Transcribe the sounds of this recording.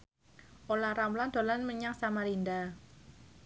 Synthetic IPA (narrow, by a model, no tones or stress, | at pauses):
ʔolaɾamland̪̥o̤lanməɲaŋsamaɾind̪a